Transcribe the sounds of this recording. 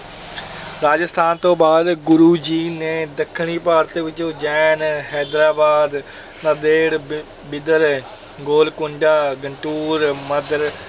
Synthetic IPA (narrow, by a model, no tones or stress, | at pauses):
ɾaːd͡ʒəst̪ʰaːnt̪õːbaːd̪ɡʊɾuːd͡ʒiːneːd̪əkʰːɳ̃iːpaːɾt̪eːʋɪt͡ʃõːd͡ʒɛːnɦɛːd̪ɾaːbaːd̪ | nad̪eːɽ | bɪd̪əɾ | ɡoːlkʊɳɖaːɡəɳʈuːɾməd̪əɾ